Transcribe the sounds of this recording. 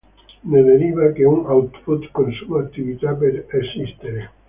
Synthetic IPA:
neleɾiβakeuŋawt̪put̪konsumakt̪iβit̪apeɾesist̪eɾe

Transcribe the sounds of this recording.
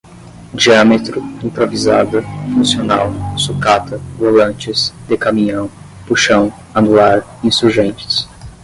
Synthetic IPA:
d͡ʒiɐ̃met̪ɾʊĩpɾovizad̪ɐfũsiona̰wsukat̪ʰɐvolɐ̃t͡ʃɪsd̪̥ekamĩɲɐ̃w̃ | puʃɐ̃w̃ | ɐnuaɾ | ĩsuɾʒẽnt͡ʃɪ̥s

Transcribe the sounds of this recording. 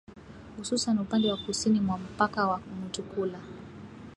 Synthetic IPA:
hususanupandɛwakusinimwam̩pakawamutukula

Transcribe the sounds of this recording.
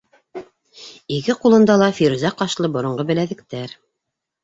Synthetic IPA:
ikɘqulˠɤ̆nd̪ɑlˠɑfiɾuzæqɑʃlˠɤbŏɾŏɴɢɤbɘ̆læðɘ̆k̚t̪æɾ

